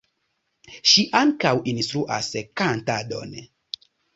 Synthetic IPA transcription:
ʃiʔaŋkawinst̪ɾuʔa̰skantado̰n

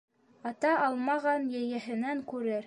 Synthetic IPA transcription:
ɑt̪ɑʔɑlˠmɑʁɑnjɘ̆jɘ̆ɦɘ̆næŋkʉɾɘɾ

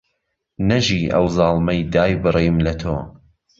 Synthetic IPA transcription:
nɐʒiːʔɐ̰wzɑːlˠmɐjd̪aːjbɨriːmlɐt̪ʰoː

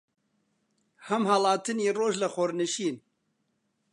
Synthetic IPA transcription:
hɐmhalɑːt̪ʰɨniːroːʒlɨxoɾnɨʃiːn

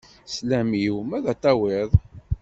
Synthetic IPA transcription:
slæmiwmæðæt̪ˤːɑwɪðˤ

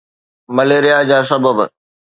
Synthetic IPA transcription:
mɐleːɾɪjad͡ʑaːsɐbəbə̰

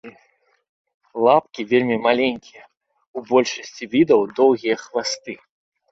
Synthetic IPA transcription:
lˠapkʲivʲelʲmʲimalʲenʲkʲijɐ | ubɔlʲʂɐsʲt͡sʲivʲid̪ɐwd̪ɔwɣʲijɐxvast̪ɨ

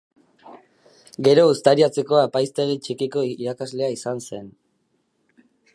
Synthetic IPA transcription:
ɡe̞ɾo̞ust̪aɾiat͡se̞ko̞apajst̪e̞ɣit͡ʃikiko̞iɾakazle̞aisanse̞n

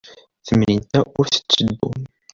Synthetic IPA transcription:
θəmnint̪æʊɾθə̥t͡sːəd̪ːṵn

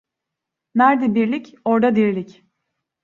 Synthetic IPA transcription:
næɾd̪ɛbiɾlʲic | o̞ɾd̪ad̪iɾlʲic

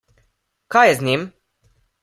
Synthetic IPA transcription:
kajɛzɲʲim

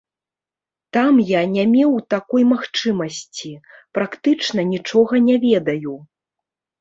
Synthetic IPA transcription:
t̪amjanʲamʲɛwt̪akɔjmaxt͡ʂɨmɐsʲt͡sʲipɾakt̪ɨt͡ʂnɐnʲit͡ʂɔɣɐnʲɛvʲɛd̪ɐju

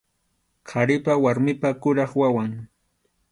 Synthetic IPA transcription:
qʰaɾɪpawaɾmɪpakʊɾɑχwawaŋ

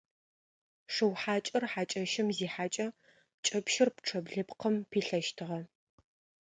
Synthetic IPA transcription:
ʂɨwħaːt͡ʃʼɐrħaːt͡ʃʼɐʃɪmziːħaːt͡ʃʼɐ | t͡ʃʼɐpʃɪrpʈ͡ʂʰɐbɮɨpqəmpʰiːɬɐʃtʰɨʁɐ

